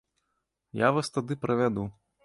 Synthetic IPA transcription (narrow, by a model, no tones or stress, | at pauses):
javast̪ad̪ɨpɾɐvʲad̪u